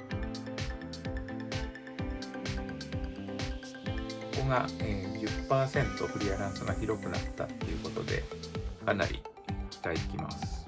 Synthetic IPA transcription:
oko̞ɡãd͡ʑɨpːaːsẽ̞nt̪o̞ɸɯ̟ɾʲiaɾãɰ̃sɨɡaçiɾo̞kɯ̟nat̪ːa̰t̪ːe̞jɯ̟ko̞t̪o̞̰d̪e̞̰kana̰ɾʲʔḭ | kʲi̥t̪aikʲima̰sɨ̥

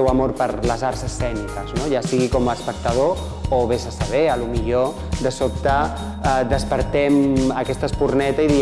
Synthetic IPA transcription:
ɛwəmoɾpəɾləzaɾsəsːɛnikəznoʒasiɣikɔməspək̚t̪əð̞o | oβezəsəβɛəlumiʎo | d̪əsop̚t̪ə | d̪əspəɾt̪ɛməkɛst̪əspurnɛt̪əiði

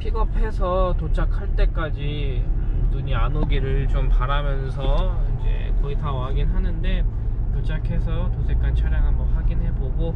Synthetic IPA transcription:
pʰiɡʌpʰe̞sʰʌtot͡ɕʰak̚ʰaɭt͈e̞k͈ad͡ʑi | nuɲianoɡiɾɯɭt͡ɕompaɾamjʌnsʰʌind͡ʑe̞̰kʌitʰawaɡinɦanɯnde̞ | tot͡ɕʰakʰe̞sʰʌtosʰek͈ant͡ɕʰʌɾjaŋɦaʌɸwaɡinɦe̞boɡo

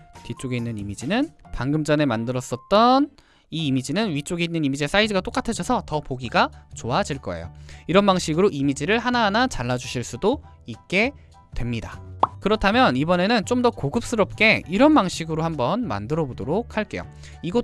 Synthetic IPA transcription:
tit͡ɕ͈oɡeinːɯnimid͡ʑinɯnpaŋɡɯmd͡ʑʌne̞mandɯɾʌs͈ʌt̚t͈ʌn | iːmid͡ʑinɯnwɥit͡ɕ͈oɡeinːɯnimid͡ʑe̞s͈aidɯɡat͈ok͈atʰet͡ɕʰʌsʰʌtʌpoɡiɡat͡ɕoad͡ʑiɭk͈ʌḛjo̰iɾʌnbaŋɕʰiɡɯɾoʔimid͡ʑiɾɯɭɦanaɦːnat͡ɕaɭːad͡ʑuɕʰiɭs͈udo | ik̚k͈e̞ | twe̞mɲidakɯɾʌtʰamjʌnibʌne̞nɯnt͡ɕ͈omdʌkoɡɯp̚s͈ɯɾʌp̚k͈e̞iɾʌnbaŋɕʰiɡɯɾohambʌnma̰ndɯɾʌbodoɾok̚ʰhaɭk͈e̞jo̰ | iɡʌ

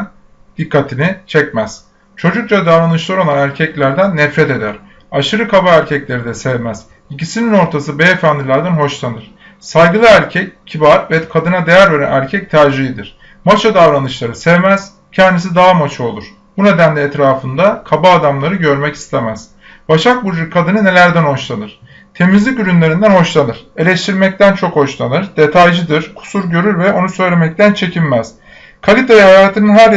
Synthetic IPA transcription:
n | d̪̥ikːat̪ʰinit͡ʃʰɛcmæz̥ | t͡ʃʰo̞d͡ʒuk̚t͡ʃad̪avɾanɯʃlˠaɾolˠanæɾcʰɛclʲæɾd̪ænːɛfɾɛt̪e̞d̪æɾ̥ | aʃɯɾɯkʰabaæɾcʰɛclʲe̞ɾid̪ɛsɛvmæz̥ | icisinino̞ɾt̪ʰasɯbejefænd̪ilʲæɾd̪ænɦo̞ʃlˠanɯɾ̥ | sajɡɯlˠɯæɾcʰɛccʰːibaɾvɛkʰad̪ɯnad̪e̞jæɾve̞ɾæ̰næɾcʰɛc̚t̪ʰaɾd͡ʒiid̪iɾ̥ | mot͡ʃʰad̪avɾanɯʃlˠaɾɯsɛvmæz̥ | cʰɛnd̪isid̪aːmat͡ʃʰao̞lˠuɾ̥ | bune̞d̪ænd̪ɛːt̪ɾaːfɯnd̪akʰabaːd̪amlˠaɾɯɟø̞ɾmɛcʰi̥st̪ʰe̞mæz̥ | baʃak̚buɾd͡ʒukʰad̪ɯnɯne̞lʲæɾd̪ænho̞ʃlˠanɯɾ̥ | t̪ʰe̞mizlʲicyɾynlʲe̞ɾind̪ænho̞ʃlˠanɯɾ̥e̞lʲeʃt̪ʰiɾmɛc̚t̪ʰænt͡ʃʰo̞kho̞ʃlˠanɯɾd̪̥e̞t̪ʰajd͡ʒɯd̪ɯɾkʰu̥suɾɟø̞ɾyɾvɛʔo̞nusø̞jlʲemɛc̚t̪ʰænt͡ʃʰecʰinmæz̥ | kʰalʲit̪ʰajahajaːt̪ʰɯnɯnɦæɾ

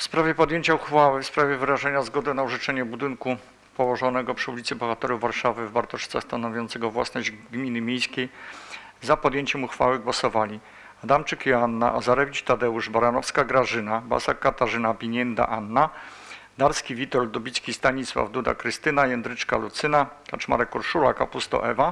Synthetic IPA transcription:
fspɾavʲjɛpɔd̪jeɲt͡ɕauxfawɘfspɾavʲjɛvɘɾaʐɛɲazɡɔd̪ɛnauʐɘt͡ʂɛɲɛbud̪ɘnku | pɔwɔʐɔnɛɡɔpʂɘulʲit̪sɘbɔxat̪ɛɾuvaɾʂavɘvbaɾt̪ɔʂt̪sɛxst̪anɔvʲjɔnt̪sɛɡɔvwa̰snɔʑd͡ʑɡmʲinɘmʲjejskʲej | zapɔd̪jeɲt͡ɕɛmuxfa̰wɘɡwɔsɔvalʲi | ad̪amt͡ʂɘkjɔanːa̰ʔazaɾɛvʲit͡ʂt̪ad̪ɛuʐbaɾanɔfskaɡɾaʐɘnaba̰sakːat̪aʐɘnapʲiɲɛnd̪a̰ʔanːa | d̪aɾskʲivʲit̪ɔld̪ɔbʲit̪skʲist̪aɲiswa̰vd̪ud̪a̰kɾɘst̪ɘnajɛnd̪ɾɘt͡ʂkalut̪sɘnakat͡ʂma̰ɾɛkːɔɾʂula̰kapust̪ɔ̰ʔɛva

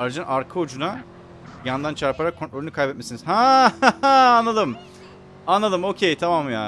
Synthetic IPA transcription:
aɾd͡ʒanʔaɾkʰɯod͡ʒuna | jand̪ant͡ʃʰaɾpʰaɾakʰːonɾoɾʲynykʰajbɛt̪mesinizhãhaaːnlˠalˠɯm | anlˠalˠɯmo̞cʰejt̪ʰamamjaː

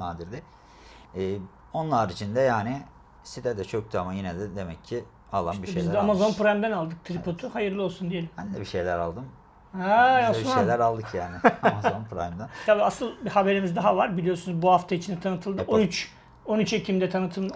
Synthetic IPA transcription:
naːd̪iɾd̪ɪː | o̞nlˠaɾit͡ʃʰind̪ɛjaːnɪ | sit̪ʰɛd̪ɛt͡ʃʰok̚t̪ʰuamajinɛd̪ɛd̪emɛcʰːi | alˠa̰biʃizamazo̞npɾajmd̪ænalˠd̪ɯk̚t̪ʰɾipʰo̞t̪ʰuhajɯɾlˠɯo̞lˠsund̪ije̞lʲimbænd̪ɛbiʃejlʲæɾa̰lˠd̪ɯm | haaʃaejlʲæɾalˠd̪ɯkjaːnɪamazonpʰɾa̰jmd̪ænt̪ʰabiasɯlˠbihabe̞ɾimizd̪aɦavaɾbilʲijo̞ɾsunuzbuhaft̪ʰait͡ʃʰinɛt̪ʰanɯt̪ʰɯlˠd̪ɯonyt͡ʃ | o̞nyt͡ʃe̞cʰimd̪ɛt̪ʰanɯt̪ʰɯlˠ

